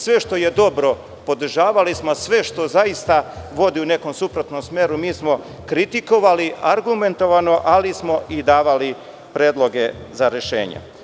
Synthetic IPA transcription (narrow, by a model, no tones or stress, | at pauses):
sʋe̞ʃt̪o̞je̞d̪o̞bɾo̞ | po̞d̪r̩ʒaːʋalismosʋe̞ʃt̪o̞zajist̪aʋo̞d̪iune̞ko̞msupɾot̪no̞msmeːɾumiːsmo̞ | kɾit̪iko̞ʋaliaɾɡume̞nt̪o̞ʋano̞ʔalismo̞ʔid̪aːʋali | pɾeːd̪lˠo̞ɡe̞zaɾe̞ʃe̞̰ːɲḛ